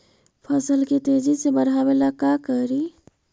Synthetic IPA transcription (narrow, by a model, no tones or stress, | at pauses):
pʰəsəlket̪ed͡ʒisebəɾɦabelakakəɾi